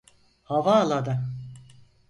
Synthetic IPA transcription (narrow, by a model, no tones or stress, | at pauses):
havaːlˠad̪ɯ